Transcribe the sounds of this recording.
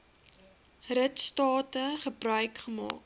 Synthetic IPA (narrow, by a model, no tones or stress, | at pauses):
rətstɑːtəχəbrœɥkχəmɑ̰ːk